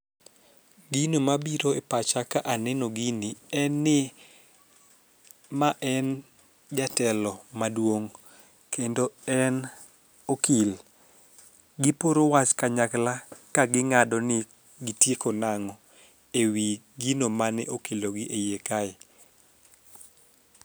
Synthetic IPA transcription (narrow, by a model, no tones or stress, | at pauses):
ɡinomabiɾoepat͡ʃakaʔanɛnoɡinɪɛnːɪ | maʔɛn | d͡ʒatɛlɔmadwoŋ | kʰendoɛn | okil | ɡɪpoɾowat͡ʃkaɲaklakaɡɪŋadɔnɪ | ɡɪtjekonaŋɔ | ewi | ɡinomanɛʔokiloɡɪʔejekaɪ